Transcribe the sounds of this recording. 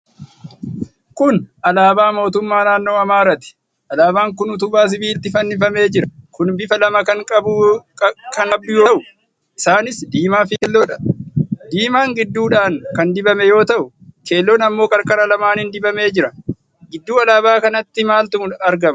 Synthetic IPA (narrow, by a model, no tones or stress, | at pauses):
kʊnɐlaːbaːmo̞ːt̪ʊmːaːnaːnːo̞ːɐmaːɾɐt̪ɪ̥ | ʔɐlaːbaːŋkʊnʊt̪ʊbaːs̬ɪbiːlt̪ɪfɐnːɪfɐme̞ːd͡ʒɪɾɐkʊnbɪfɐlɐmɐkɐŋkʼɐbʊ | kɐnɐb̚d̪ʊjoʔʊ | ʔɪsaːnɪsd̪iːmaːfɪkɛlːoːᶑɐ̥d̪iːmaːŋɡɪd̪ːuːᶑaːŋkɐnd̪ɪbɐmɛjo̞ːt̪ɐʔʊ | ke̞ːlːonɐmːo̞ːkʼɐɾkʼɐɾɐlɐmaːnhɪnd̪ɪbɐme̞ːd͡ʒɪɾɐ | ɡɪd̪ːuːɐlaːbaːkɐnɐt̪ːɪmaːlt̪ʊʊɐɾɡɐmɐ